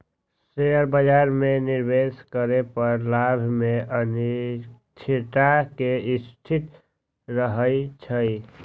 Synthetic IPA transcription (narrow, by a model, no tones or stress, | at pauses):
sejəɾbəd͡ʒaɾmeniɾbeskəɾepəɾlabʱmeʔəni | t͡ʃʰit̪akeɪst̪ʰit̪ | ɾəɦəit͡ʃʰəi